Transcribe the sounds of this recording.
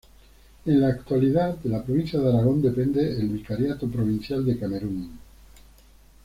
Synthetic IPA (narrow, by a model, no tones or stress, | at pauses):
enlaːkt̪waliðat̪d̪elapɾoβin̟θjaðaɾaɣ̞ond̪epend̪eːlβikaɾjat̪opɾoβ̞in̟θjald̪e̞kameɾuŋ